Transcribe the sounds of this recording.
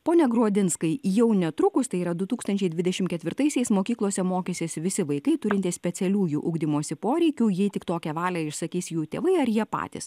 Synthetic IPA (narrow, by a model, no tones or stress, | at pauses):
poːnʲɛɡɾuɔd̪ʲɪnskɐɪjɛʊnʲɛt̪ɾʊkʊst̪ɐɪiːɾɐd̪ʊt̪uːkst̪ɐnʲt͡ʃʲɛɪd̪ʲʋʲɪd̪ʲɛʃʲɪmkʲɛt̪ʲʋʲɪɾt̪ɐɪsʲɛɪsmoːkʲiːklˠuɔsʲɛmoːkʲesʲeːsʲɪʋʲɪsʲɪʋɐɪkɐɪt̪ʊɾʲɪnt̪ʲisʲpʲɛt̪sʲɛlʲuːjuːʔʊɡd̪ʲimuɔsʲɪpoːɾʲɛɪkʲuːjɛt̪ʲɪkt̪oːkʲɛʋɑːlʲɛɪʃsɐkʲiːsʲjuːt̪ʲḛːʋɐɪɐɾjiɛpɑ̰ːt̪ʲḭːs